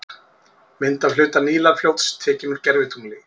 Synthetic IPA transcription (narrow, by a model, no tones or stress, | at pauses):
mɪnt̪alʏːt̪aniːlafljowt̪st̪ʰɛːcɪnʏɾ̥cɛɾvɪt̪ʰumlɪ